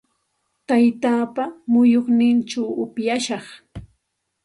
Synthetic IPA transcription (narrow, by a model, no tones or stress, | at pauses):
t̪ajt̪aːpamʊjoχnɪnʈ͡ʂawʊpjaʃɑχ